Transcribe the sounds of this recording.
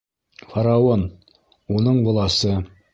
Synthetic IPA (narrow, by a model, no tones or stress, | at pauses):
faɾaon | unɤɴbŏlˠɑsɤ